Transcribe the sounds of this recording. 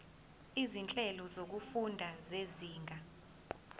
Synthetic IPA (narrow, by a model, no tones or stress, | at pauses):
izint͡ɬʼɛlɔzok̬ufundʱazeziːŋɡʱa